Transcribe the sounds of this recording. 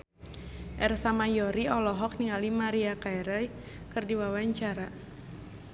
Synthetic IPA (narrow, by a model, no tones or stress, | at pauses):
ʔɛrsamajɔɾiɔlɔɦɔk̚niŋalimaɾiakaɛɾɛ | kɨrdiwawaɲt͡ʃaɾa